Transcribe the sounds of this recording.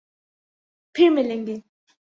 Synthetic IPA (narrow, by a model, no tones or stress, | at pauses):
pʰeɹmeleŋɡen